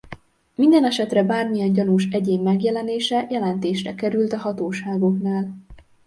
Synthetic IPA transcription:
mind̪ɛnɛʃɛt̪rɛbaːrmijɛɲɟɒnuʃɛɟeːmːɛɡjɛlɛneːʃɛjɛlɛnt̪eːʃrɛkɛɾylt̪ɒɦɒt̪oːʃaːɡo̞knaːl

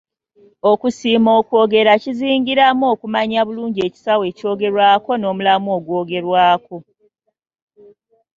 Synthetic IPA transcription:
o̞kusiːmoːkwo̞ːɡe̞ɾaciziːŋɡiɾamoːkumaɲaβuluːɲɟe̞ːci̥sawe̞ːco̞ːɡe̞ɾwaːko̞no̞ːmulamoːɡwoːɡe̞ɾwaːko̞

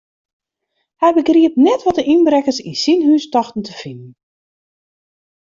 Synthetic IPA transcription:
hɛjbəɡriəp̚nɛtʋɔtəʔinbɾɛkəsḭsinɦyːstɔxtn̩tʰəfɪnən̩

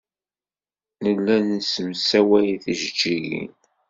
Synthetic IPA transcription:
nəlːænsəmsæwæjθiʒəd͡ʒːiʝḭn

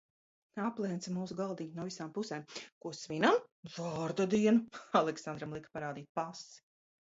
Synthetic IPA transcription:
aplˠɛːnt̪smuːsuɡalˠd̪iːk̪nɔvisaːmpusɛːmkuɔsvinamzɔːɾd̪ad̪iɛnualˠɛksand̪ɾamlˠikpaɾaːd̪iːt̪̚pasi̥

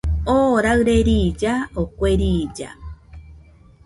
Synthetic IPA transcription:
oɾaɨɾeɾid͡ʒaokʷeɾid͡ʒa̰

